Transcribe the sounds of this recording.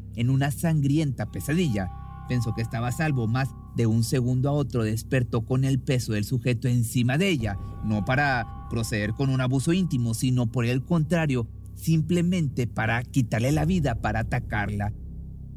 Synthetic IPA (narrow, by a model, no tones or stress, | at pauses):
e̞nũnasaŋɡɾje̞nt̪ape̞saðiʝa | pe̞nso̞keːst̪aβasalβo̞maz | d̪e̞unse̞ɣũnd̪oaot̪ɾo̞ðe̞spe̞ɾt̪o̞ko̞ne̞lpe̞so̞ðe̞lsuxe̞t̪o̞e̞nsimaðeeʝano̞paɾa | pɾo̞se̞ðe̞ɾko̞nunaβuso̞int̪imo̞sino̞po̞ɾe̞lko̞nt̪ɾaɾjo̞ | simple̞mẽ̞nt̪e̞paɾakit̪aɾle̞laβiðapaɾaːt̪akaɾla